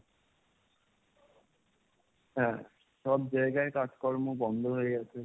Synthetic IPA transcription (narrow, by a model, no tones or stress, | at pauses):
ɦɛ̃ | ʃɔb̚d͡ʑaeɡaekad͡ʑkɔɾmobɔnd̪ʱoɦoeɡat͡ɕʰe